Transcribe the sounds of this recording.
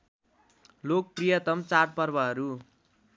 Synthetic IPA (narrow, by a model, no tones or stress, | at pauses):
lok̚prijʌt̪ʌmt͡saʈ̚pʌrbʌɦʌɾu